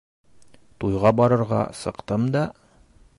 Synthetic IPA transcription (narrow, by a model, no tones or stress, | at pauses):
t̪ujʁɑbɒɾɤ̆ɾʁɑ̰sɤ̆qt̪ɤmd̪ɑ